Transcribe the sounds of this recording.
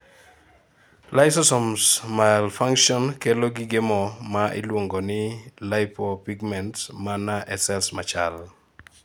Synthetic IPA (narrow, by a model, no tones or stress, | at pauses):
lajsɔsɔmsmalfaŋkʃiɔnkeloɡiɡemɔmaʔḭlwoŋɡɔnɪlajpɔpiɡmɛntmanaʔɛsɛlsmat͡ʃal